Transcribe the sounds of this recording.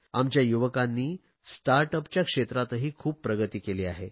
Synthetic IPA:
amt͡ɕjajuʋəkanːiː | sʈaɾʈəpt͡ɕjakʂet̪ɾat̪əɦiːkʰuːpːɾəɡət̪iːkeliːaɦe

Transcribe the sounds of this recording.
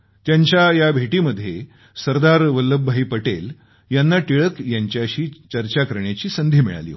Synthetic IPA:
t̪jaɲt͡ɕjajabʱeʈiːməd̪ʱːje | səɾd̪aɾʋəlːəbʱːaiːpəʈel | janːaʈiɭəkjaɲt͡ɕjaɕiːt͡ɕəɾt͡ɕakəɾɳjat͡ɕiːsənd̪ʱiːmḭɭa̰lḭ

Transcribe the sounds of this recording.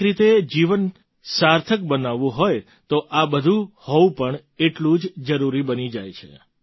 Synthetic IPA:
ɾit̪ed͡ʒiʋən | saɾt̪ʰəkbənaʋũɦoj | t̪oʔabəd̪ʱũhɔũpəɳ | eʈlũd͡ʒd͡ʒəɾuɾibənid͡ʒajt͡ʃʰḛ

